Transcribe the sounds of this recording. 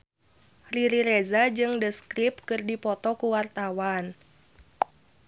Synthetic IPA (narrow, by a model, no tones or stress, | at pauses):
riɾiɾezad͡ʒɨŋdəskɾip̚kɨrdipɔt̪ɔkuwart̪awan